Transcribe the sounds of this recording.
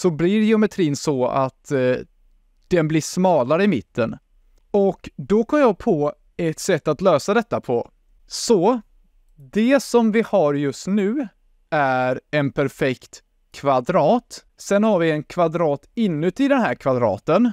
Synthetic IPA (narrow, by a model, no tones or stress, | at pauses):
sɔblɪɾjɛʊmɛt̪ʰɾiːnsɔa̰t̪ | d̪̥ɛnblɪʂmɑːlaɾəɪmɪt̪ːən | ɔkd̪ɔkʰɔmjɑɡpʰɔ | ɛt̪sɛt̪ːat̪løːsad̪ɛt̪ːapʰɔ | sɔ | d̪ɛsɔmvɪhaɾjɵst̪nʉ̟ː | æɾɛnpʰæɾfɛkt̪ | kʰvad̪ɾɑːt̪ | sɛnhaɾvɪɛnkʰvad̪ɾɑːt̪ɪnːʉt̪ɪd̪ɛnɦæːɾkʰvad̪ɾɑ̰ːt̪ən